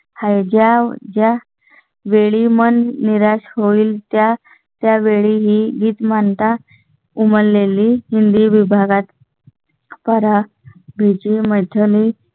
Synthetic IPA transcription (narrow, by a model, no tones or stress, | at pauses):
hajd͡ʑad͡ʑja | ʋeɭimənːiɾaɕhoiːlt̪ja | t̪jaʋeɭiɦiːɡiːt̪mant̪a | uməɾleliːɦind̪iʋibʱaɡat̪ | pəɾa | bʱit͡ɕimət̪ʰəliː